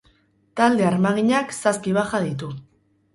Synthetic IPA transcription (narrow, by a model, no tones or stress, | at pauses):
t̪ald̪e̞aɾmaɣiɲaksaskiβaxaðit̪u